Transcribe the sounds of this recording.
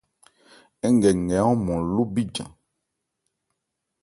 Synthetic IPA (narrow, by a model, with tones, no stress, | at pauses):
ɛ˦ŋ˨ɡɛ˨ŋ˨ɛ˨˦ɔ̃˦mɔ̃˨lo˦bi˦d͡ʒã̰˨